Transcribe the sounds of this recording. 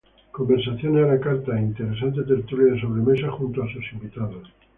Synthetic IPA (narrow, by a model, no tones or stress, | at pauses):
ko̞mbeɾsaθjonealakaɾt̪aint̪e̞ɾe̞s̬ant̪et̪e̞ɾt̪uljaðeso̞βɾe̞me̞saxunt̪oasusimbit̪aðos